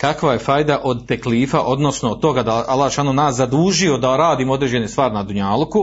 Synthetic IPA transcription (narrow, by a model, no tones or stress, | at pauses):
kakʋaje̞fajd̪aʔo̞d̪̚t̪ekliːfaʔo̞d̪no̞snot̪o̞ɡad̪aalˠaːʃanonaːszad̪uːʒio̞d̪aoɾaːd̪iːmood̪ɾed͡ʑe̞ne̞st̪ʋaːɾinad̪uɲaːlˠuku